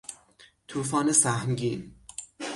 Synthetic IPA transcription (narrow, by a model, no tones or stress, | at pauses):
t̪ʰuːfɒːnesæhmɟiːn